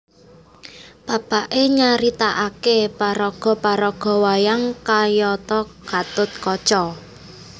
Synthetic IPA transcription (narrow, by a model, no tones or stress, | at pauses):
b̥a̤b̥aʔeɲaɾit̪aʔakepaɾɔɡ̥ɔ̤paɾɔɡ̥ɔ̤wajaŋkajɔt̪ɔ | ɡ̥at̪ʊt̪̚kɔ̥t͡ʃɔ